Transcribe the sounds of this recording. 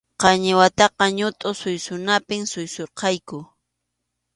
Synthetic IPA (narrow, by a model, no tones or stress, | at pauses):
qɑɲɪwat̪ɑqɑɲʊt̪ʼʊsʊjsʊnapɪŋsʊjsoɾqɑjkʊ